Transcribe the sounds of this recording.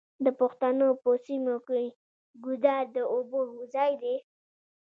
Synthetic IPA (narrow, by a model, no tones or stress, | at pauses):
d̪əpʊxt̪anopəsimoke | ɡud̪ɑɾd̪əoboɦuzɑjd̪e